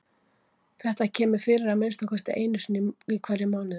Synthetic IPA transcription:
θɛht̪acʰɛːmʏɾ̥fɪɾɪɾaðmejnst̪akʰɛst̪ɪʔeːjnʏsnɪikʰvaːɾɪmaːwnɪ

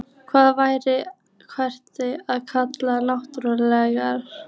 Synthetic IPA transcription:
kʰvaːðvaːjɾɪ | kʰvar̥t̪ɪaðkʰat̪lanawht̪ɾɔlɛːɣaɾ̥

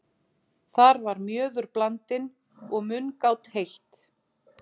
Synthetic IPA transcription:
θaɾvaɾmjœːðʏɾplant̪ɪn | ɔɣmʏnkawt̪hejht̪

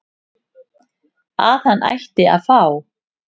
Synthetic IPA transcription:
a̰ːθhanːʔa̰jçt̪ɪa̰ðfaːw

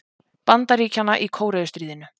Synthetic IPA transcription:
pant̪aɾiːcanːaʔikʰoːwɾɛːðʏst̪ɾiːðɪnʏ

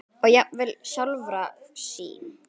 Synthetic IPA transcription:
ɔɣjɛvɪlsawlvɾa | sḭːn

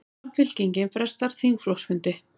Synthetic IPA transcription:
nfʏlciɲcɪnfɾɛst̪aɾ̥θiŋkflowsmʏnt̪ɪ

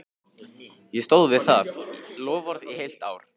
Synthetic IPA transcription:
jɛst̪owðvɪðθaθlɔːvɔɾðḭhejl̥t̪a̰ːwɾ̥

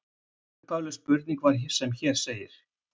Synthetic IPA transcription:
t̪awlɛspʏɾt̪niŋkvaɾ̥çɛ̥sɛmçɛɾ̥seːjɪɾ̥

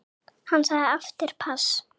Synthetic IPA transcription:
hanːsaːɣðɪaft̪ɪɾ̥pʰas

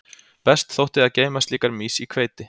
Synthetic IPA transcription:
pɛst̪θowht̪ɪðaðceːjmast̪liːkaɾmiːsikʰveːjt̪ɪ

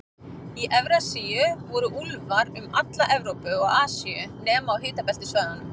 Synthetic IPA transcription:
iʔɛvɾasiʏvɔɾʏʔulvaɾʏma̰t̪laʔɛvɾowpʏɔɣaːsiʏnɛːmaawɦɪːt̪apɛl̥t̪ɪsvœːɣan

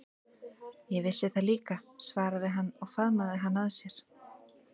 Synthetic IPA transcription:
jɛvɪsɪθaliːkasvaːɾaðɪɦanːɔɣfaðmaðɪɦanːaðsjɛɾ̥

